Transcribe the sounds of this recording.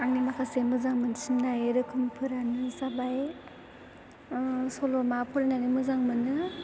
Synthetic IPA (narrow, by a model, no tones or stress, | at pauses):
aŋnimakʰasemɯzaŋmɯnsimnajeɾɯkʰɯmpʰɯɾanɯsabaj | sɔlɔmapʰuɾananimɯzaŋmɯnɯ